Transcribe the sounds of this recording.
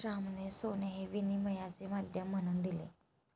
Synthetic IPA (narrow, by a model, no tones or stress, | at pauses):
ɾamnesoneɦeʋiniməjat͡semad̪ʱjəmːəɽ̃uːnd̪ilḛ